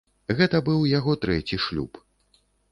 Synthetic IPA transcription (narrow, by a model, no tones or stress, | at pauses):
ɣɛt̪ɐbɨwjaɣɔt̪ɾɛt͡sʲiʂlʲṵp